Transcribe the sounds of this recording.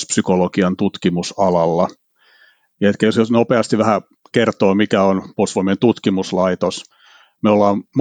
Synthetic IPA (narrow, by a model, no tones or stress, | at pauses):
spsykolokiɑnt̪ut̪kimusɑlɑlːɑ | jɑet̪kæjosjosnopeɑst̪iʋæhæ | kert̪oːmikæonposʋomient̪ut̪kimuslɑit̪os | meolːɑːmm